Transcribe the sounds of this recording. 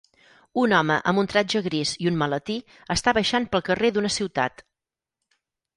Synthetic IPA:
unɔməʔə̰mbunt̪ɾad͡ʒəɣɾiziunmələt̪i | əst̪aβəjʃanpəlˠkəreðunəsiwt̪a̰t̪

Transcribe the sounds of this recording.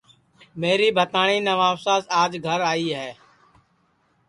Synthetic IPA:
meːɾiːbʱət̪aːɳ̃iːnəʋaːfsaːzaːd͡ʒɡʱəɾaːiːɦɛː

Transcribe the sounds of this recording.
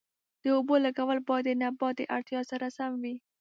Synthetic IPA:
d̪̥əobolaɡawəlbɑjad̪ənabɑt̪̚ːəʔaɽt̪jɑsaɾasamwi

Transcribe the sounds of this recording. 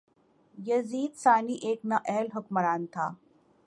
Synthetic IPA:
jɐziːd̪saːniʔeːknɐʔɛɦlɦʊkmɐɾaːnt̪ʰa̰ː

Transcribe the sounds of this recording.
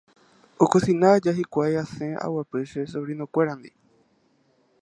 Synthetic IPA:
okosinad͡ʒaɦikʷajasẽʔa̰wapɨʃesoɾinokʷeɾãnd̪ḭ

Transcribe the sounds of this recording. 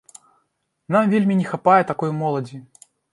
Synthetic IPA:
namvʲelʲmʲinʲɛxapajɛt̪akɔjmɔlˠɐd͡zʲi

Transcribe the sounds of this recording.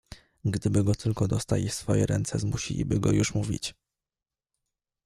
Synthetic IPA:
ɡd̪ɘbɘɡɔt̪ʰɘlkɔd̪ɔst̪alʲisfɔjɛɾɛnt̪sɛzmuɕḭlʲḭbɘɡɔjuʂmuvʲḭt͡ɕ

